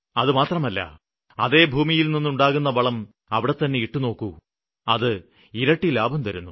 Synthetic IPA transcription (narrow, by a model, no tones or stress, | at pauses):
ɐðɨmaːt̪rɐmɐlːɐ̰ | ɐ̰ðe̞ːbʱuːmijilninːuɳɖaːɣunːɐʋɐɭɐm | ɐʋiɽe̞t̪ːɐnːe̞iʈːuno̞ːkːu | ɐðɨ | iɾɐʈːilaːbʱɐmt̪ɐɾunːu